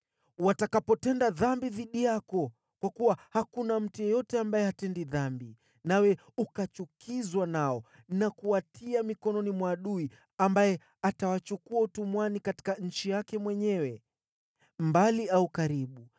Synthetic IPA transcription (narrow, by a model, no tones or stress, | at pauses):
watakapɔtɛndaðambiðiɗijakɔ | kwakuwahakunam̩tijɔjɔtɛambajɛhatɛndiðambi | nawɛ | ukat͡ʃukʰizwanaɔ | nakuwatʰiamikɔnɔnimwaːɗui | ambajɛ | atawat͡ʃukuautumwanikati̥kaɲ̩t͡ʃijakɛmwɛɲɛwɛ | mbaliaukaɾiɓu